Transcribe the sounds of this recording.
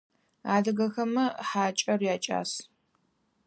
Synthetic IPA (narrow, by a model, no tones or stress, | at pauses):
aːdɨɣɐxɐmɐħaːt͡ʃʼɐrjaːt͡ʃʼa̰ːs